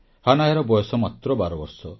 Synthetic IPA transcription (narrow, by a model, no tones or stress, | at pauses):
hanajaɾɔbɔjɔsɔmat̪ɾɔbaɾɔbɔɾsɔ